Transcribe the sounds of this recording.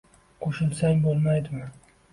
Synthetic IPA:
qʰoʃɪlˠsaŋbolˠmajd̪ɪmɪ

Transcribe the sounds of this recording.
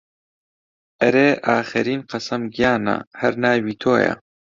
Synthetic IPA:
ʔɐɾeːʔaːxɛɾiːnqɐsɐmɡijaːnɐ̰hɐɾnaːjwiːt̪ʰoːjɐ̰

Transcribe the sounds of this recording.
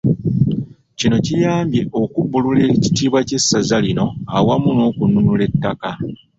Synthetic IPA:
cino̞cijaːmbje̞ʔo̞kubːulule̞ci̥tiːβwace̞sːazalino̞a̰wamuno̞ːkununule̞tːaka

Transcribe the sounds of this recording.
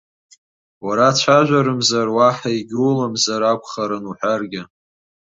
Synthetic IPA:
waɾat͡ʃʷʰaʒᶣʷaɾɨmzarwaħaiɡʲrulamzaɾakʷʰʼχaɾɨnuħʷarɡʲɪ

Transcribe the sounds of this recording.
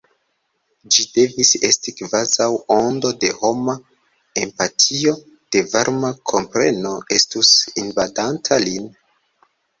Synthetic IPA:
d͡ʒide̞vise̞stikvazawo̞ndo̞de̞ho̞ma | e̞mpatʰio̞ | d̥e̞vaɾmakʰo̞mpɾe̞̰no̞e̞stusinvadantʰalin

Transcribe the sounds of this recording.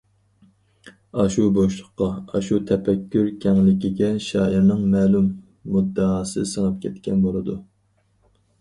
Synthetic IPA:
ɑʃuboʃlˠʊqqːɑɑʃut̪ʰɛpʰɛkʲːyɾkʲʰɛŋlɪkʲiɡʲɛʃɑːiɾnɨŋmɛːlumː | ud̪ːɑɑːsɨ̰səŋɑp̚kʲʰɛt̪kʲɛnbolˠɨd̪u

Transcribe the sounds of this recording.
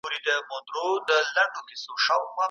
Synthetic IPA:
uɾid̪əmod̪ɾod̪əlaɳɖokisoʃawma

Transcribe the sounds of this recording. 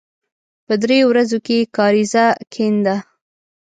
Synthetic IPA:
pəd̪ɾeowɾazokekɑɾizakʰend̪a

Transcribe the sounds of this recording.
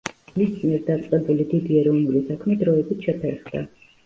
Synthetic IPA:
mismiɛɾd̪at̪sʼqʼɛbulid̪id̪iɛɾiɔnulisakʰmɛd̪ɾɔɛbit̪ʰʃɛpʰɛɾχʁd̪a̰

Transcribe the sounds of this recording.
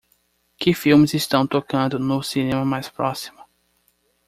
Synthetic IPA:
kɪfiwmɪzɪst̪ɐ̃w̃t̪okɐ̃nd̪ʊnʊsinẽmɐmajspɾɔsi̥mʊ

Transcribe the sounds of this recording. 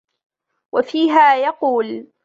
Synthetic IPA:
wafiːɦaːjɑquːl

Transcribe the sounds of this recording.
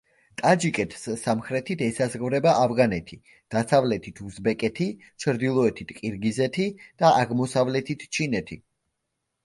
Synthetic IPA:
t̪ʼad͡ʒikʼɛt̪ʰssamχɾɛt̪ʰit̪ʰɛsazʁvɾɛbaʔavʁanɛt̪ʰi | d̪̥asavlɛt̪ʰit̪ʰuzbɛkʼɛt̪ʰi | t͡ʃʰɾd̪ilˠɔɛt̪ʰit̪ʰqʼiɾɡizɛt̪ʰid̪̥aʔaʁmɔsavlɛt̪ʰit̪ʰt͡ʃʰinɛt̪ʰi

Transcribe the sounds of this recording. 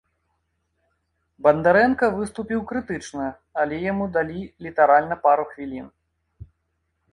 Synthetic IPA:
bɐnd̪aɾɛnkɐvɨst̪upʲiwkɾɨt̪ɨt͡ʂnɐ | ɐlʲɛjamud̪alʲilʲit̪aɾalʲnɐpaɾuxvʲilʲin

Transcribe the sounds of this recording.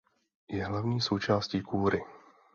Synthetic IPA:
jɛɦlavɲiːso̞wt͡ʃaːsciːkuːɾɪ

